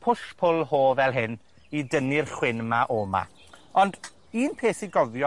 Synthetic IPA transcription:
pʰʊʃpʰʊlˠhoːvɛlˠɦɪn | idənɪrχwɪnmaʔoːma̰ | ɔnd | iːnpʰeːθiɡɔðjɔ

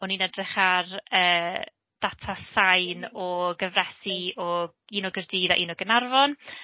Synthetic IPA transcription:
ɔninɛdrɪχarəː | d̥atʰasajnɔɡəvrɛsiɔ | iːnɔɡərdiːða̰ʔiːnɔɡənarvɔn

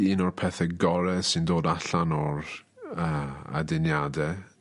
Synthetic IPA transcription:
inɔrpʰɛθɛɡɔɾɛsɪndoːdaɬanɔɾəa̰dɪnjadɛ

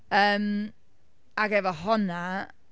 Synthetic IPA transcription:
əːm | aɡɛvəɦɔna

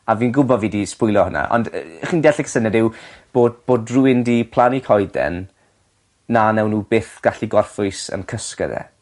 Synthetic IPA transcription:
aviːnɡʊbɔvidispʊjlˠɔhəna̰ʔɔ̰ndχiːndɛɬiksənɛdɪwb̥oːd̚b̥oːdruɪndipʰlˠanikʰɔjdɛ̰nː | anɛwnuːbeːθɡ̥aɬiɡɔrfʊɨsə̰nkʰəskə̰ðɛ̰

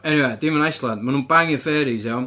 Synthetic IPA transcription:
ɛniwedɪmanajslˠandmanũːnbaŋɪnfɛːɾizɛw

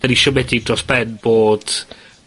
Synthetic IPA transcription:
ɛɾiʃɔmɛdidrɔsb̥ɛnb̥oːd̥

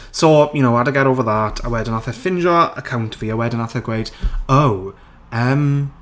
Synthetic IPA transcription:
sojunoʊadəɡɛɾoːvəðatʰə̰wɛdənaθɛfɪ̃nʒɔəkʰaw̃ntʰəviːəwɛdənaθɛɡwejd̥ow | əm

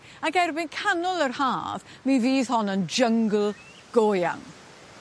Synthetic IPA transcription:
aɡɛrbɪnkʰanɔlˠərhaːv | miviːð̥ɦɔnənd͡ʒəŋɡl̩ˠ | ɡ̥oːja̰ŋ

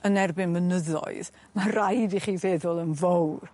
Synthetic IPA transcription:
ənɛrbɪnmənəðɔ̰ɨð | marajdiχiːvɛːðʊlˠənvowr

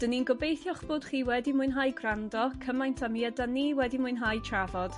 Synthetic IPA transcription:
d̥əninɡɔbejθjɔχb̥ʊːd̥χiːwɛdimʊɨnɦaːjɡrandɔkʰəmajntʰamiɛdaniːwɛdimʊɨnɦajtʰravɔd̥

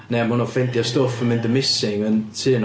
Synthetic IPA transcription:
nɛamʊnɔfɛndjastɔfəmɪ̃nd̪əmɪsɪŋəntʰɨːn

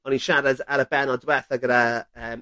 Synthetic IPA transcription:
ɔninʃaɾadaɾəbɛnɔdwɛθaɡəɾaəːm

